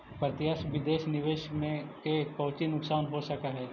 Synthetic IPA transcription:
pɾət̪jaːʃʋɪd̪eːʃnɪʋeːʃmẽkepɐːt͡ʃinʊksaːnɦosɐkaɦɛː

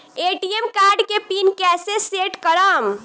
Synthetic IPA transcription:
eʈiemkaɾɖkepinkɛseseʈkəɾəm

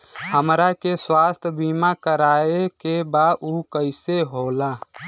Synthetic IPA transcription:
həmɾakeswaːst̪ʰbimakəɾaːekebadukəɪseɦola

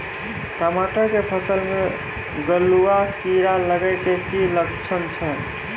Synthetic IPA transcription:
kɾamaʈəɾkepʰəsəlme | ɡəlːuakiɾaləɡəɪkekiləkt͡ʃʰənt͡ʃʰə

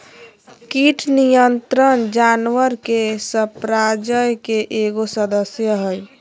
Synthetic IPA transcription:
kiʈʰnijənt̪ɾənd͡ʒanʋəɾkesəpɾad͡ʒəjkeʔeɡosəd̪əsjəɦəj

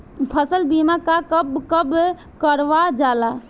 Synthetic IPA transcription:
pʰəsəlbimakakəbkəb | kəɾʋad͡ʒala

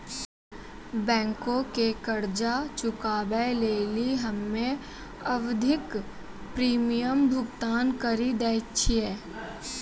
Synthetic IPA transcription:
bɛ̃ːŋkõkekəɾd͡ʒat͡ʃʊkaːbəleːliɦɐmːẽ | əʋd̪ʱɪk | pɾiːmijəmbʱʊɡt̪aːnkəɾid̪ɛːt͡ʃʰiɛː

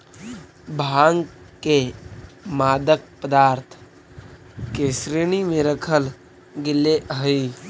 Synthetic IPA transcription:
bʱaːŋɡke | maːd̪ək̚pəd̪aːɾt̪ʰ | kesɾiñimẽɾəkʰəl | ɡɪlːeʔɦəi

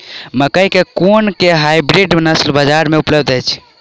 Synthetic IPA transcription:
məkəjkekonkeɦajbɾiɖnəslbəd͡ʒaɾmeupləbd̪əjt͡ʃʰ

